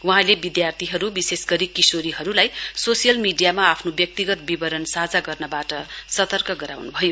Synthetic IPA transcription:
wuɦãlebid̪jart̪ʰiɦʌɾubisesɡʌɾikisoɾiɦʌɾulajsosijʌlmiɖijamaːpʰnobjʌk̚t̪iɡʌt̪bibʌɾʌnsad͡zaɡʌrnʌbaʈʌsʌt̪ʌrkʌɡʌɾa̰wnubʱʌjo

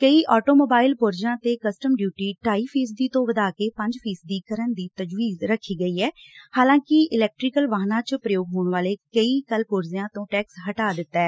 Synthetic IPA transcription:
kəiːʔɔːʈoːmoːbaːɪlpʊɾd͡ʒãːt̪eːkəsʈəmɖjuːʈiːʈaːiːpʰiːsd̪iːt̪õːʋəd̪aːkeːpə̃ɲd͡ʒpʰiːsd̪iːkəɾənd̪iːt̪əd͡ʒʋiːzɾəkʰːiːɡəiːɛːhaːlãːkɪʔɪlɛːk̚ʈɾɪkəlʋaːɦnãːt͡ʃəpɾəjoːɡɦoːɳʋaːleːkəiːkəlpʊɾzjãːt̪õːʈɛːksɦəʈaːd̪ɪt̪ːɛː

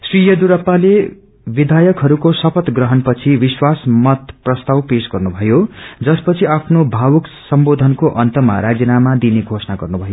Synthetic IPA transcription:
srijʌd̪uɾʌpːale | bid̪ʱajʌkɦʌɾukosʌpʰʌt̪ɡrʌɦʌnpʌt͡sʰibiswasmʌt̪prʌst̪awpesɡʌrnubʱʌjod͡zʌspʌt͡sʰiapʰnobʱawʌksʌmbod̪ʱʌnkoʔʌnt̪ʌma̰ɾad͡zinamad̪ineɡʱosnaɡʌrnubʱʌjo

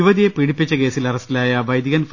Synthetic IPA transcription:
uʋɐd̪ijepiɽipʲːit͡ɕːɐke̞ːsilɐrɐsilaːjɐʋɐjd̪iɣɐnf

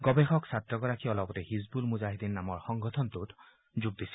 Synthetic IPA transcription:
ɡɔbɛxɔksatɹɔɡɔɹakʰiɔlɔpɔtɛhizbulmuzaɦidinamɔɹxɔŋɡɔtʰɔntʊt | zuɡ̚d̪isi̥

